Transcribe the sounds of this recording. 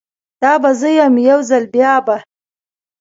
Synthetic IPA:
d̪̥ɑbazəjamjawzalbjɑba

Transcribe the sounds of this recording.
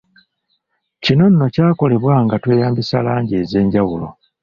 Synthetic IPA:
cino̞nːo̞caːko̞le̞βwaːŋɡatwe̞ːjaːmbisalaːɲɟe̞ːze̞ːɲɟawulo̞̰

